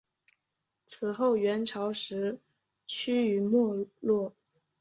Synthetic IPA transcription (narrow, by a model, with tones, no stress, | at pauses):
t͡sʰɹ̩˨˩xo˥˩ʊɥɛ˧˥nʈ͡ʂʰɑ˧˥ʊʂɻ̩˧˥ | t͡ɕʰy˥y˨˩mwɔ˥˧lwɔ˥˩